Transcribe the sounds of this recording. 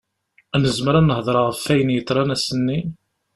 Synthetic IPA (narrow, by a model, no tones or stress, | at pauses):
ænəzməɾænːəhðˤɾˤɑʁəfːæjənjət̪ˤːɾˤɑnæsənːi